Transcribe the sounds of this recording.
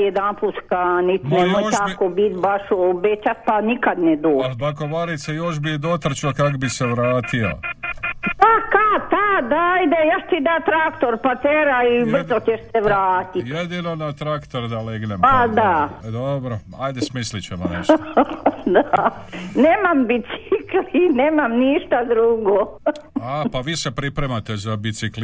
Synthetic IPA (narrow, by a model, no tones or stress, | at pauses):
ed̪anpuskanit̪nemojt̪akobit̪baʃobet͡ʃat̪̚panikad̪ned̪oːakoʋaɾit̪sejoʃ̬bid̪ot̪r̩t͡ʃokakobiseʋɾaːt̪io̰ | pakat̪ad̪aajd̪ejaʃt̪id̪at̪ɾakt̪oɾpat̪eɾaibrzot̪ʲeʃseʋɾaːt̪ijed̪ino̞nat̪ɾakt̪oɾd̪aleɡnemad̪ad̪obɾo | ajd̪esmislit͡ɕemoneʃ | d̪a | neːmambit̪siklineːmamniʃt̪ad̪ɾuɡoapaʋisepɾipɾemat̪ezabit̪sikl